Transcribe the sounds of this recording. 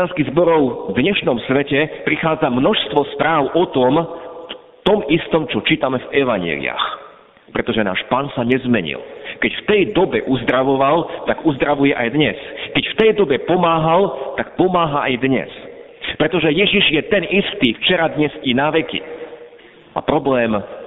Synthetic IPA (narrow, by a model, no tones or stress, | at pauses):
anskiɣzbɔɾɔʊvd̪ɲɛʃnɔmsʋɛcɛpɾixaːd͡zamnɔʃst̪ʋɔspɾaːʊʔɔt̪ɔm | t̪ɔmist̪ɔmt͡ʃɔt͡ʃiːt̪amɛvɛʋaɲɛ̰lḭa̰x | pɾɛt̪ɔʒɛna̰ːʃpaːnsaɲɛzmɛɲḭlkɛcft̪ɛjd̪ɔbɛʔuzd̪ɾaʋɔʋalt̪aɡuzd̪ɾaʋujɛʔajd̪ɲɛskɛcft̪ɛjd̪ɔbɛpɔmaːɦalt̪ak̚pɔmaːɦaʔajd̪ɲɛ̰s | pɾɛt̪ɔʒɛjɛʒiʒjɛt̪ɛnist̪iːft͡ʃɛɾad̪ɲɛzinaʋɛkḭ | a̰pɾɔblɛːm